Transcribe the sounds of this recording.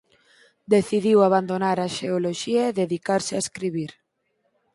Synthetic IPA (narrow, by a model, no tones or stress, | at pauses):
d̪eθiðiwaβand̪onaɾaʃeoloʃiaeðeðikaɾsɪaeskɾiβiɾ